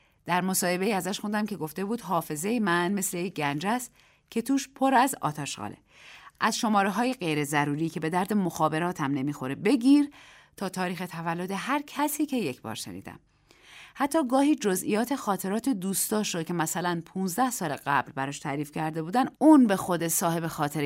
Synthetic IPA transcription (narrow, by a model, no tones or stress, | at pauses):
d̪̥æɾmo̞sɒːhe̞be̞iːæzæʃxund̪æmcʰe̞ɡo̞ft̪e̞buːd̪ɦɒːfe̞ze̞jemænme̞slejeɟænd͡ʒæst̪ | cʰet̪ʰuːʃpʰo̞ɾæzɒ̰ːt̪ʰæʃɢɒ̰lʔḛʔæzʃo̞mɒːɾeɦɒːje̞ɢejɾe̞zæɾuːɾiːcʰe̞be̞d̪æɾd̪e̞moxɒːbe̞ɾɒːt̪ʰæmne̞miːxo̞ɾebe̞ɟʲiːɾ | t̪ʰɒːt̪ʰɒːɾiːxe̞t̪ʰævælːo̞d̪e̞ɦæɾcʰæsiːcʰe̞jecʰbɒ̰ːɾʃḛnḭːd̪æ̰m | hæt̪ʰːɒːɡɒːhiːd͡ʒozʔḭjɒːt̪ʰe̞xɒːt̪ʰe̞ɾɒːt̪ʰe̞d̪uːst̪ɒːʃɾo̥cʰe̞mæsælænpʰuːnzd̪æhsɒːleɢæ̰blbæɾɒːʃt̪ʰæːɾiːfcʰæɾd̪e̞buːd̪ænuːnbe̞xo̞d̪esɒːhe̞be̞xɒːt̪ʰe̞ɾ